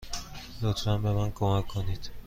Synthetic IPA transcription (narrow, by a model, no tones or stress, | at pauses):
d̪ot̪ʰvambemænkomækʰːonid̪̥